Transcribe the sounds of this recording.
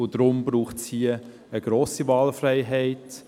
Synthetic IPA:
ʊdɾʊmbɾuːχtshiə | əɡ̥ɾoːsivɑːlfrɛɪɦɛɪt

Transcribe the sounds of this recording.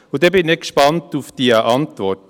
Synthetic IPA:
udɛbɪnːɛkʃpɑntufd̥iəʔɑntvɔɾt

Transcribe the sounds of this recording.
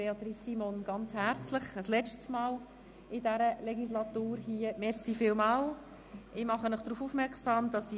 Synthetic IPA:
eɑt̪ɾisːimɔnɡ̥ɑnt͡shæɾt͡sləχəslɛt͡ʃtsmɑːl | ɪdæɾəlɛɡislɑt̪uːɾhiːəmɛɾsifɪlmɑːl | ʔɪmɑχənəχd̥ɾuːfuːfmɛɾksɑːmd̥ɑsi

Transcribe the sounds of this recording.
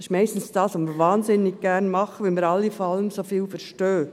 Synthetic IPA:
sɪ̥ʃmɛɪstn̩sd̥ɑːsʋomiːɾvɑːnzɪnːɪɡ̚ɡ̥ɛɾnmɑχəʋɛlmiəɾɑlːifoɾɑləmsofiːlfəɾʃtøː

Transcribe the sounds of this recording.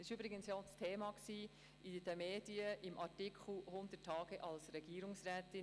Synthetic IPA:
ɪʃybɾɪɡənsjɔstʰeːmɑksiː | id̥̪əmeːdiəʔɪmʔɑɾtɪkχl̩hʊnd̥̪ətʰːɑːɡ̥əʔɑlsɾɛɡ̥iːɾʊŋsrɛːtɪ

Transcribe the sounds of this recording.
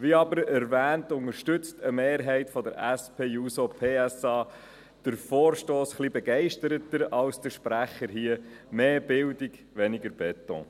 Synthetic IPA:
ʋiɑbəɾɛɾʋæːntʊŋəɾʃtʏt͡stʰəmeːɾɦɛɪtfɔdəɾæspʰeːjusopʰeːæsɑː | d̥əɾfoːɾʃtoːsχlibɛɡɛɪʃtəɾətəɾɑwsd̥əɾʃpɾæχəɾɦiə | meːb̥ɪldiɡ | ʋɛnɪɡəɾb̥ɛtɔ̰̃

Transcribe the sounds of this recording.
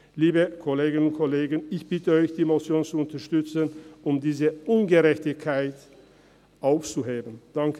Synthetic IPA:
liːbəkʰoleːɡɪnʊntkʰɔleːɡənɪçb̥ɪtəɔʏçd̥iːmot͡sjoːnt͡suʊntɐʃtʏt͡sənʊmdiːzəʔʊnɡəʁɛçtɪçkʰːaɪt | ʔaʊft͡suɦeːbən̩d̥aŋkə

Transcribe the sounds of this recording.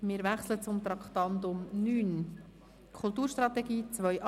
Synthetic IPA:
mɪːɾvæχslət͡sʊmt̪ɾɑkχt̪ɑnd̪ʊmnyːn | kʰʊlˠt̪uːɾʃt̪ɾɑt̪ɛɡiːt͡svœʔ

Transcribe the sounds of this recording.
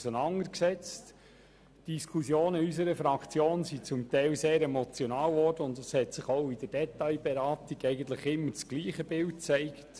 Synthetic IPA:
sənɑndəɾksɛt͡st | d̥iskʰusjoːnəys̬əɾəfɾɑkʰt͡sjoːnsit͡sʊmt̪ɛɪlseːɾɛmɔt͡sjɔnɑːlvɔrd̥əʊntɑshɛtsɪχoʊid̥əd̥ɛtɑɪbɛɾɑːtiɡɛɪɡən̩t̪ləχɪmːət͡sɡ̥liːχəb̥ɪlt̚t͡sɛɪkt

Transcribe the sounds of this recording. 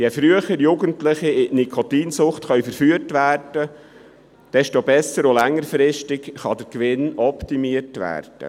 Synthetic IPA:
jefɾyəχəɾjuɡəntlɪχiɪnikʰot̪iːnsʊχtχœɥfəɾfyːətʋæːrd̥ə | d̪̥ɛʃtobɛsəɾolæŋːəɾfɾɪʃtɪkχɑd̪əɾkʋɪnɔpt̪imiəɾtʋæ̰ːrd̥ə̰

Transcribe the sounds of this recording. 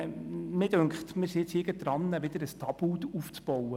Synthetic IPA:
mɪd̥øŋkχtmɪsiɪt͡sɪɡəd̥ɾɑnːɛʋɪd̥əɾəstʰɑbutuft͡sb̥ɔwə

